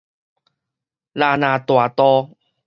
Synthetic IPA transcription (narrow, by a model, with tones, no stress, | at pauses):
laː˧˩nã˨˩t̪wa˨˩t̪ɔ˧